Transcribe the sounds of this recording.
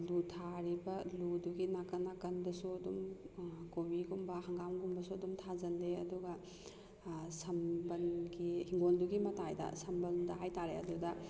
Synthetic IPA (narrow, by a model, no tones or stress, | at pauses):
lutʰaɾibɐluduɡinakɐnːakɐnbɐsuɐdumkowiɡumbɐɦɐŋɡamɡumbɐsuɐdumtʰad͡ʒɐnleɐduɡɐ | sɐmbɐnɡihiŋɡonduɡimɐtajdɐ̰sɐmbɐldɐɦajtaɾeɐ̰dudɐ